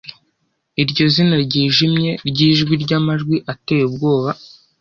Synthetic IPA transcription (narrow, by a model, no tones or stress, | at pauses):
iɾɟo̞zinaɾɟiːʒimɲe̞ɾɟiːʒɡwiɾɟamaʒɡwiʔate̞ːjub̚ɡo̞ːβa